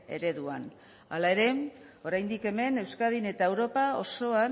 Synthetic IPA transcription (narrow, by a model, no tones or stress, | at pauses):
e̞̰ɾe̞ðua̰n | a̰lae̞ɾe̞mo̞ɾajnd̪ike̞me̞ne̞wskaðine̞t̪ae̞wɾo̞pao̞̰so̞a